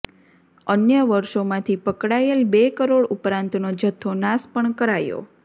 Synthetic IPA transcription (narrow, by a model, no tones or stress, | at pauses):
ənjəʋəɾʃomãt̪ʰipəkɽajelbekəɾoɽupɾãnt̪nod͡ʒət̪ʰːonaspəɳkəɾajo̰